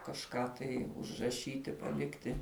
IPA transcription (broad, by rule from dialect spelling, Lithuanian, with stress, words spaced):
kɐʃˈkɑː tɐɪ ʊʒrɐˈʃʲiːtʲɪ pɐˈlʲɪktʲɪ